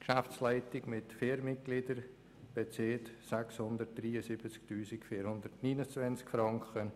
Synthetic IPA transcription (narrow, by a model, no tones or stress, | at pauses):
kʃaft͡slæɪtɪɡmɪtfeːɾmɪt̚ɡ̥lidəɾ | b̥et͡seːtsɛkshʊnd̪ət̚d̥̪ɾiːəsɪbət͡sktyːsɪkfiːɾhʊnd̪ətniːnəst͡svɛnt͡skfɾɑŋkχə